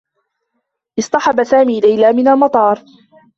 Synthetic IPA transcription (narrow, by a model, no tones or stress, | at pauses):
ʔɪsˤt̪ˤɑħɑbasaːmiːlajlaːmɪnalmɑt̪ˤɑːɾˤ